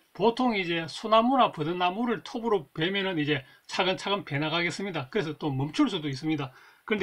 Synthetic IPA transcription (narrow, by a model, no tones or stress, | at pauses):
potʰoŋid͡ʑe̞sʰonamuɾapɯdɯnamuɾɯɭtʰobɯɾope̞mjʌnɯnid͡ʑe̞ | t͡ɕʰaɡɯnt͡ɕʰaɡɯmpe̞naɡaɡe̞s͈ɯmɲidakɯɾe̞s̬ʰʌt͈omʌmt͡ɕʰuɭs̬͈udois͈ɯmɲidakɯɯnd